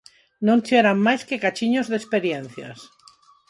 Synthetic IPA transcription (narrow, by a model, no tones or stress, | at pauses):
nõnt͡ʃeɾamːajske̞kat͡ʃiɲozðespeɾjenθja̰s